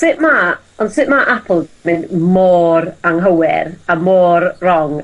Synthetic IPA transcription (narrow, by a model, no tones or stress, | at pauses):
sɪʔma | ɔndsɪʔmaʔapʰəl̩ˠmɪnmoːɾaŋɦəwɛ̰ɾamoːrrɔŋ